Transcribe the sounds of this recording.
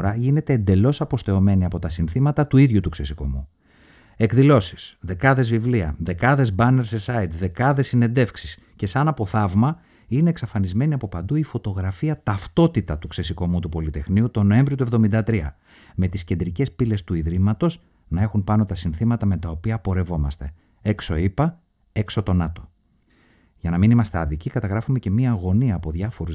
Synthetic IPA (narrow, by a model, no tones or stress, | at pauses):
ɾɐʝine̞t̪e̞ːnd̪e̞lo̞sɐpo̞st̪e̞o̞me̞niɐpo̞t̪ɐsinθimɐt̪ɐt̪uiðʝut̪ukse̞siko̞̰mu | e̞kðilo̞si̥sðe̞kɐðe̞zvivliɐ̰ðe̞kɐðe̞zbɐne̞ɾsesɐit̪ðe̞kɐðe̞sːine̞nd̪e̞fksi̥s | ce̞sɐnɐpo̞θɐvmɐ | ine̞ːksɐfɐnizme̞niɐpo̞pɐnd̪uifo̞t̪o̞ɣɾɐfiɐt̪ɐft̪o̞t̪it̪ɐt̪ukse̞siko̞mut̪upo̞lit̪e̞xniut̪o̞no̞e̞ɱvɾiot̪ue̞vðo̞mind̪ɐt̪ɾiɐ̰ | me̞t̪isced̪ɾice̞spile̞st̪uiðɾimɐt̪o̞z | nɐe̞xunpɐno̞t̪ɐsinθimɐt̪ɐme̞t̪ɐo̞piɐpo̞ɾe̞vo̞mɐ̰st̪e̞ | e̞kso̞ipɐ | e̞kso̞t̪o̞nɐt̪o̞̥ | ʝɐnɐminimɐst̪e̞ɐðicikɐt̪ɐɣɾɐfume̞ce̞miɐːɣo̞niɐːpo̞ðʝɐfo̞ɾuz